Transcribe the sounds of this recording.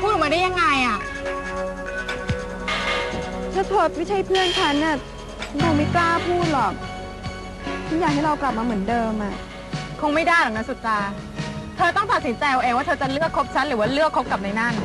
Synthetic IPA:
pʰuː˥˩t̪̚maː˧da˥˩ja˧ŋːa˧jʔa˨˩ | t̪ʰaː˧˥t̪ʰoː˨˩t̪̚mi˥˩t͡ɕʰa˨˦˥jpʰɯ˥˩ənt͡ɕʰa˦˥nʔa˧˩ | joː˧ŋmi˧˥˩klaː˥˩pʰuː˥˩t̪̚lɔː˨˩k̚ | t̪ʰiː˥˩jaː˨˩k̚ha˥˩jɾa˧wkla˨˩p̚maː˧mɯ˩˦əndɤː˧mʔa˨˩ | kʰo˧ŋma˥˩jdaː˥˩jlaː˨˩kna˦˥nsu˨˩t̪̚ɾaː˧ | t̪ʰɤː˧t̪ɔ˥˩ŋt̪a˨˩t̪̚si˩˦nt͡ɕa˧jo˧ʔeː˧waː˥˩˧t͡ɕa˨˩lɯ˥˩əkʰːo˦˥p̚t͡ɕʰa˦˥nɾɯː˩˦waː˥˩lɯ˥˩əkʰːo˦˥p̚ka˨˩p̚na˧jna˥˩n

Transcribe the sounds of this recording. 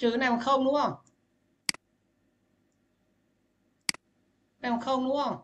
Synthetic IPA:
t͡ɕɯː˨˩˦na˧mkʰaː˥˩wnu˥˩əŋ | na˧mkʰaː˥˩wnu˥˩əŋ

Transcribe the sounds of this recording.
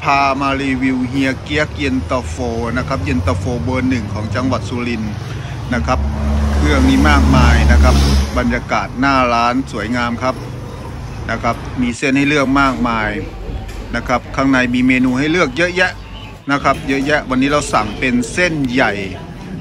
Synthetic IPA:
pʰaː˧maː˧liː˧wi˧wɦi˧əki˧˦˥ək̚ji˧nt̪ɔ˧foː˧na˦˧˥kʰa˦˥p̚ʔi˧nt̪ɔ˧foː˧bɤː˧nːɯ˨˩ŋkʰɔː˩˦ŋt͡ɕa˧ŋwa˨˩t̪̚suː˧li˧n | na˦˥kʰa˦˥p̚lɯ˥˩əŋniː˥˩maː˥˩k̚maː˧jna˦˥kʰa˦˥p̚ba˧njaː˧kaː˨˩t̪̚naː˥˩laː˦˥nsu˩˦əjŋaː˧mkʰa˦˥p̚ | na˦˧˥kʰa˦˥p̚miː˧se˥˩˨nha˥˩jlɯ˥˩ək̚maː˥˩k̚maː˧j | na˦˧˥kʰa˦˥p̚kʰaː˧˥˩ŋna˧jmiː˧meː˧nuː˧ɦa˥˩jlɯ˥˩ək̚jɤ˦˥ʔjɛ˦˥ʔ | na˦˥kʰa˦˥p̚jɤ˦˥ʔjɛ˦˥ʔwa˧nːiː˦˥ɾa˧wsa˨˩ŋpe˧nse˥˩nja˨˩j

